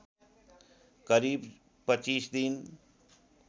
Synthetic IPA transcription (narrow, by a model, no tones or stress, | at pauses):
kəɾiːb | pət͡ʃiːsd̪in